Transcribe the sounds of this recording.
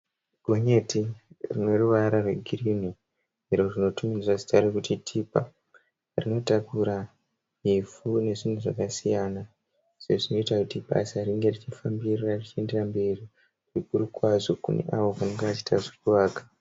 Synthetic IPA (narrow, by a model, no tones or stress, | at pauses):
ɡʱoɲe̞tirinwe̞ruʋaɾarwe̞̰ɡʱirini | iɾo̞ʐino̞tuminirazi̥taɾekutitʰipa̰ | rino̞takuɾa | ifune̞ʐin̤uʐakasijana | seʐino̞itakutiɓa̰sariŋɡe̞rit͡ʃifambirarit͡ʃie̞nderamberi | rikuɾukwazokune̞̰ʔaʋo̞kaneŋɡeʋat͡ʃi̥tʰaʐokuʋaːkḁ